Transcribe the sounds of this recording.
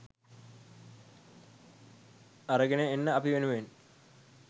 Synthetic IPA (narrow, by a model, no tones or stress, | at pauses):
ɐrɐɡineenːəɐpiʋenuʋen